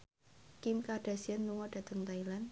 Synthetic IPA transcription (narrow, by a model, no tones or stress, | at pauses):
kɪmkaɖ̥a̤sianluŋɔɖ̥a̤t̪əŋt̪ailan